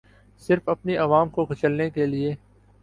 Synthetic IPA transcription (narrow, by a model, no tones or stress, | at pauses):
sɪɾfɐpniʔɐʋaːmkoɡʱʊt͡ʃəlnekelie